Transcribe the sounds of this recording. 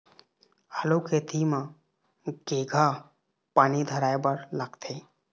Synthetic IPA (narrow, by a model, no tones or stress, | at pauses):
aloket̪ʰimã | ɡ̥eɡʱa | paːnid̪ʱəɾaːjbəɾlaɡt̪ʰe